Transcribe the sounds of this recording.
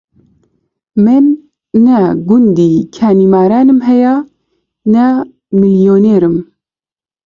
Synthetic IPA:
mɨnː | ɛɡund̪iːkʰæːniːmaːɾaːnɨmɦɛjaː | nɛ | mɨljoːneːɾɨm

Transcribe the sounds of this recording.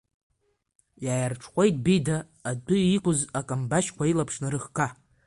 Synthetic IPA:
jajarʈ͡ʂʰχʷejt̚ʼbidaː | dʊikʷʊzakʼambaʃkʷʰailapʰʂnaɾɨχkʰʼa

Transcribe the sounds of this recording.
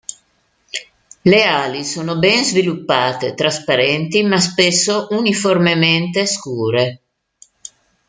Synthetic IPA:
leaːlisoːnobɛnzvilupːaːt̪et̪ɾaspaɾɛnt̪imaspesːoʔuniformement̪eskuːɾe

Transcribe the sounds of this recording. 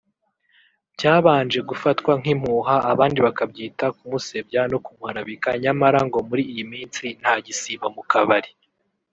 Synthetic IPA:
ɟaːβaːnd͡ʒe̞ɡufatkwaŋ̥im̥huɦaʔːβaːndiβakabɟiːtakumuse̞bjano̞kumuhaɾaβikaɲamaɾaŋɡo̞muɾiːjimiːnt͡sin̥haɟisiβamukaβaɾi

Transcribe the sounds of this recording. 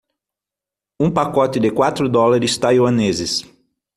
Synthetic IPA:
ũpakɔt̪ɪd̪ɪkwat̪ɾʊd̪ɔlaɾɪst̪ajwɐ̃nezɪs

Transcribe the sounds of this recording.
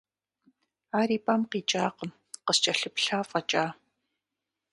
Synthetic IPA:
aːɾiːpʼamqiːt͡ʃʼaːqəm | qəst͡ʃʼɐɬɨpɬaːfʼɐt͡ʃʼaː

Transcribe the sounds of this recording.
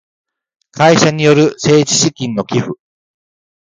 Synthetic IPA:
kʰaiɕaɲ̟ijo̞ɾɯ̟se̞ːd͡ʑi̥ɕikʲĩno̞kʲiɸɯ̟

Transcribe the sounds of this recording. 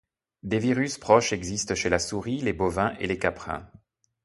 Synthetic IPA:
d̪eviʁyspχɔʃɛɡzist̪ʃelasuʁilebovɛ̃ʔḛlekapχɛ̰̃

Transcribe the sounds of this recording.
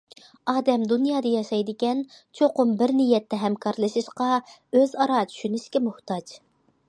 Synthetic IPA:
ɑːd̪ɛmd̪unjɑːd̪ɨjɑʃɑjd̪ɨkʲɛnt͡ʃʰoqʊmbɪɾnijɛt̪ːɛɦɛmkʰɑɾlˠɨʃɨʃqɑøzɑɾɑt͡ʃʰy̥ʃynyʃkʲɛmuht̪ɑd͡ʒ

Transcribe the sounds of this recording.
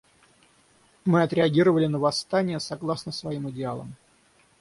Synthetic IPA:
mɨɐt̪ɾʲɪɐɡʲiɾəvəlʲɪnəvɐst̪anʲɪjəsɐɡlˠasnəsvɐimɨdʲɪalˠə̰m

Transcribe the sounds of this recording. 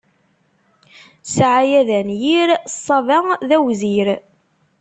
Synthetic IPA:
sʕajæðænjiɾsˤːɑvæðæwziɾ

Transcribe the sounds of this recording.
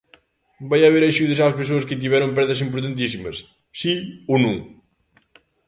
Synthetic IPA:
bajɐβeɾɐʒuðɐsaspes̬oɐskɪt̪̬iβɛɾõmpɛɾðɐsimpuɾt̪ant̪̬is̬imɐsː | ionũŋ

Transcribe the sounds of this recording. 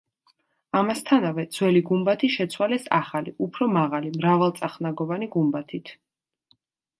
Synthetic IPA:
amast̪ʰanavɛd̪zwɛliɡumbat̪ʰiʃɛt̪sʰwalɛsaχaliʔupʰɾɔmaʁalimɾavalˠt̪sʼaχnaɡɔvaniɡumbat̪ʰit̪ʰ

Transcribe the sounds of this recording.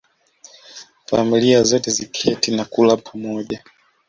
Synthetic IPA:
familiazɔtɛzikʰɛtinakulapʰamɔʄa

